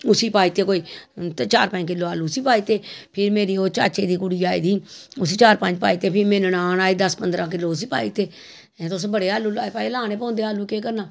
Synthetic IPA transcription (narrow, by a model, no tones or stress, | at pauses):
ʊsiːpaːiːt̪eːkoːiːt̪t͡ʃaːɾpə̃k̬ɪlːoːaːluːsiːpaːiːt̪eːpʰɪɾmeːɾiːoːt͡ʃaːt͡ʃeːd̪iːkʊɽiːaːḭːd̪iːʊsiːt͡ʃaːɾpəɲd͡ʒpaːiːt̪eːpʰɪmẽːnnaːnaːeːd̪əspənd̪ɾãːk̬ɪlːoːʊsiːpa̰ːiːt̪eː | t̪ʊsbəɽeːaːlːuːlaːepaːelaːnẽːpɔ̃ːnd̪eːaːlːuːkeːkəɾnaː